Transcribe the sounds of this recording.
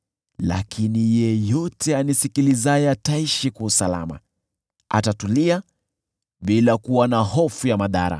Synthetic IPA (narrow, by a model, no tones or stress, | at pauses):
la̰kʰinijɛjɔtʰɛanisikilizajɛataiʃikausala̰ma̰ | a̰tatulia | ɓilakuwanahɔfujamaða̰ɾa̰